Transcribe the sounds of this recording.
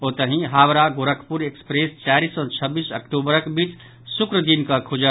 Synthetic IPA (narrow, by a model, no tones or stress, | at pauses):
oːt̪əɦĩɦaːʋɾaɡoːɾəkʰpuɾekspɾeːst͡ʃaːɾiːsɔt͡ʃʰəbiːsəkʈuːbəɾkbiːt͡ʃ | sʊkɾəd̪inkakʰʊd͡ʒə